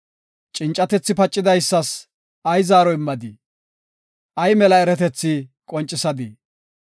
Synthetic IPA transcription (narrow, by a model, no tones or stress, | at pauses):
t͡ʃʼɪnt͡ʃʼːɐt̪ɛt͡sːɪpɐt͡ʃʼːɪd̪ɐjsːɐs | ʔɐjzaːɾɔɪmːɐd̪i | ʔɐjmɛlɐɛɾɛt̪ɛt͡sːɪkʼɔnt͡ʃʼːɪsɐd̪i